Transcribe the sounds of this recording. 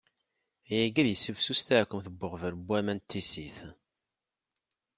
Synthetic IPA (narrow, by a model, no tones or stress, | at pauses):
jæɡiðjəsːəvsust̪æɾkʷːəmθəbːʊʁvəɾəbʷːæmænt̪ʰːisiθ